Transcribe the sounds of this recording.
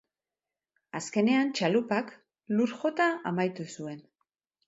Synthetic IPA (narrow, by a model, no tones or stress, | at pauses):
aske̞ne̞ant͡ʃalupak | luɾxo̞t̪aʔamajt̪usue̞n